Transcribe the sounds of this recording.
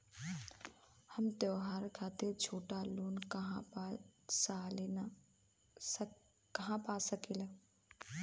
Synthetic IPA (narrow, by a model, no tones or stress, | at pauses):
hɐmt̪joːɦaːɾkʰaːt̪eɾt͡ʃʰoːʈaloːnkɐɦã | salen | kɐɦãpasəkila